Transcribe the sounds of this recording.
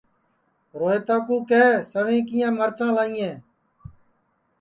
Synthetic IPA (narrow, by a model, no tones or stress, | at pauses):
ɾoːɦeːt̪aːkuːkeːsəʋẽːkiːjãːməɾt͡ʃãːlaːĩːẽː